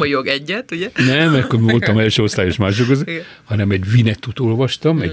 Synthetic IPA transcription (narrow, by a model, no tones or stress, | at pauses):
mɒjoɡɛɟːɛt̪uɟɛnɛmɛkːormivo̞lt̪ɒmɛlʃøːost̪aːjoʃmaːʃ̬okɡøzehɒnɛmɛɟvinɛt̪ːut̪oːlvɒʃt̪ɒmɛ̰ɟ